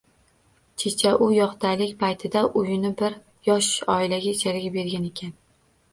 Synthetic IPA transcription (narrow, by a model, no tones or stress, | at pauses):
t͡ʃʰet͡ʃʰaʔʊjɒqt̪ʰajlɪkʲpʰajt̪ʰɪd̪aʔʊjɪnɪbɪɾ | jɒʃɒɪlaɡʲaɪt͡ʃʰalɪɡʲabe̞ɾɡʲane̞kʲʰan